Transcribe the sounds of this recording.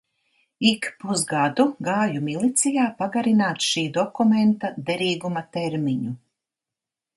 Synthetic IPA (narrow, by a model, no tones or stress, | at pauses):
ikpuzɡad̪uɡaːjumilˠit̪sijaːpaɡaɾinaːt̪ʃiːd̪ɔkument̪ad̪eɾiːɡumat̪eɾmiɲu